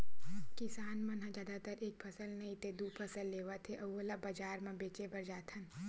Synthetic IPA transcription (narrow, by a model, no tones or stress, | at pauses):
kɪsaːnmɐ̃nɦãd͡ʒaːd̪at̪əɾʔeːk̚pʰɐsəlnɐɦĩt̪ed̪uːpʰɐsəlːeːʋət̪ʰeʔɐolabɐd͡ʒaːɾmãbeːt͡ʃebɐɾd͡ʒaːt̪ʰɐn